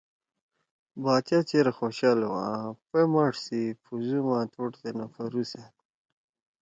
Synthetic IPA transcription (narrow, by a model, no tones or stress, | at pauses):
bɑːt̪jat͡ʃeɾaxoːɕɑːlwa̰pemaʂsipʰuzumat̪ʰoʈt̪enafaɾusat̪